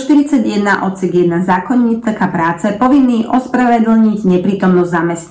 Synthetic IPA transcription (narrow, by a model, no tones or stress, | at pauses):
ʃt̪iɾit͡saɟjɛd̪naʔɔt̪sɛɡjɛd̪nazaːkɔɲːiːt̪kapɾaːt͡sɛpɔʋinːiːʔɔspɾaʋɛd̪l̩ɲiɟɲɛpɾiːt̪ɔmnɔzzamɛs